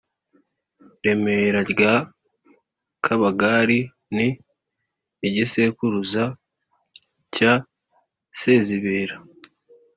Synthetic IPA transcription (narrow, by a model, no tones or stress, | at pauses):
ɾe̞me̞ɾaɾɡa | kʰaβaɡaːɾi | ni | ɟisekuɾuza | ca | se̞ːziβeːɾa